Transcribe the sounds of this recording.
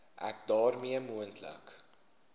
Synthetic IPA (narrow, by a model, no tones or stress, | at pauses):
ʔæ̰k̚dɑːrmiəmuəntlə̰k